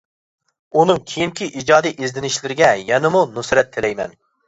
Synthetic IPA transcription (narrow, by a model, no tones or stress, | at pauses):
unɨŋkʲʰejiŋkʲʰiʔid͡ʒɑːd̪ijʔezd̪ɪnɪʃlɪɾɪɡʲɛjɛnɪmunusɾɛt̪ʰːɪlɛjmɛ̰n